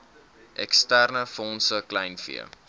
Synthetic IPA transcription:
ʔɛkstærnəfɔnsəklɛjnfḭə̰

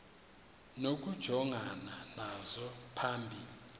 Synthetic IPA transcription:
nok̬ʼud̥ʒ̥ʱɔŋananazɔpʰaːmbʱii

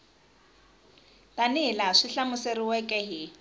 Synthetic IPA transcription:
tʼanɪlaʂiɬamʊseriwɛkʼɛɦɪ

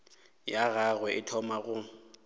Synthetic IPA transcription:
jaɣaɣwɛʔɪtʰɔmaɣʊ

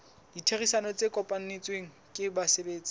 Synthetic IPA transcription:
ditʰerisanɔt͡sekʼɔpʼan̩net͡sʼweŋ̩ | kʼɪbasebeːt͡sʼɪ̥

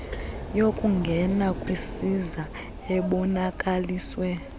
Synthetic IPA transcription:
jokʼuŋɡʱɛnakʼwisiza | ɛɓɔnakʼaliːswɛ

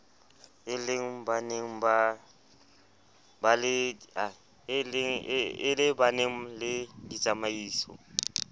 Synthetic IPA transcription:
ɪleŋ̩baneŋ̩ba | balɪa | lŋɪlɪbaneŋ̩lɪdit͡sʼamaiːsɔ̰

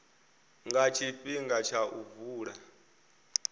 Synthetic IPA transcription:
ŋɡat͡ʃʰiɸiŋɡat͡ʃʰaʔuvuːɺa

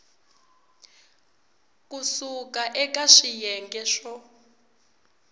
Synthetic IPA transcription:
kʼusukaʔɛkʼaʂijɛŋɡɛʃɔ

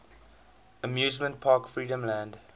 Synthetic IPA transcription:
əmjʉːzmə̃nt̚pʰɑːkfɹiːɾə̃mlæ̃nd

